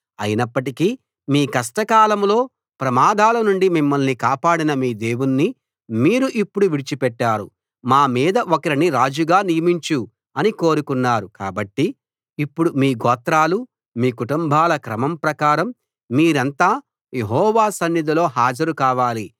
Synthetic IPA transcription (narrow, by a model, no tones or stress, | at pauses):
ɐ̰jinɐpːɐʈikiː | miːkɐʂʈɐkaːlɐmlo̞ː | pɾɐmaːd̪ʱaːlɐnuɳɖimimːɐlnikaːpaːɽinɐmiːd̪e̞ːwunːi | miːɾuʔipːuɽuʋiɽit͡ʃipɛʈːaːɾṵ | maːmiːd̪ɐʔokɐɾiniɾaːd͡ʒuɡaːnijɐmiɲt͡ʃu | ɐniko̞ːɾukunːaːɾuka̰ːbɐʈːiː | pːuɽumiːɡɔːt̪ɾaːlu | miːkuʈumbʱaːlɐkɾɐmɐmpɾɐkaːɾɐmː | iːɾɐnt̪aː | je̞ɦɔːʋaːsɐnːid̪ɐlo̞ːɦaːd͡ʒɐɾukaːʋaːli